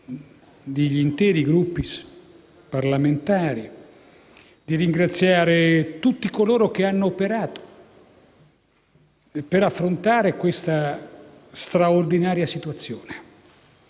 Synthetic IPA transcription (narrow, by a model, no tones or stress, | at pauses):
d̪eʎːint̪ɛːɾiɡɾupːis | parlament̪aːɾi | d̪̥iɾiŋɡɾat̪sːjaːɾet̪ut̪ːikoloːɾok̟eanːoːpeɾaːt̪o̥ | peɾafːɾont̪aːɾekwest̪a | st̪ɾaord̪inaːɾjasit̪uat̪sːjoːne